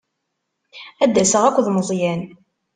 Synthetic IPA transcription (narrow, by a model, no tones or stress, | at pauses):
æd̪ːæsəʁækʷːðməzˤjæn